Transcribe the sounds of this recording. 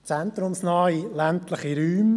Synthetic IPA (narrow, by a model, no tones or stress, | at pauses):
t͡sɛnt̪ɾʊmsnɑːilæntlɪχiɾyːm